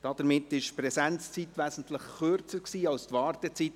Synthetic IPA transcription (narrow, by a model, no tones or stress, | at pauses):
d̥ɑd̥̪əɾmɪt̪ːɪʃpɾɛsɛnt͡st͡sitʋæsn̩t̪ləχχøɾt͡səɾksiːɑlst̪ʋɑːɾtɛt͡sit